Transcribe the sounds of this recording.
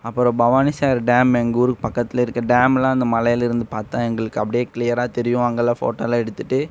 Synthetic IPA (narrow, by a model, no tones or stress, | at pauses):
ɐpːɯɾɔ̃bɐʋaːnisaːɾɖaːmɛŋɡuːɾɯpɐkːɐt̪ːɪlɪɾɯkːɐɖaːmlãːɪnd̪ɐmɐlɐjɪlɪɾɯnd̪ɯpaːɾt̪ãːɛŋɡɐɭɯkːɯɐpːɐɽɪjeːkɪlɪjɐɾaːt̪ɛɾɪjʊ̃ʋaːŋɡɐlafo̰ːʈːoːlaːɛɽɯt̪ːɯʈːɯ